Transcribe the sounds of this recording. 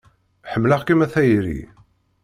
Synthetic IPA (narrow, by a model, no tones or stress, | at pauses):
ħəmːləʁkimæθæjɾḭ